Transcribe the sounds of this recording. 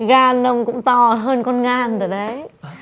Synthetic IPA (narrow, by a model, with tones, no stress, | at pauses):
ɣaː˧˩nːə˧wŋ͡mkʊ̰˧˥ŋ͡mt̪ɔ˧˩ɦəː˧nkɔ˧nŋaː˨˩nt̪əː˨˩ɗə˨˦j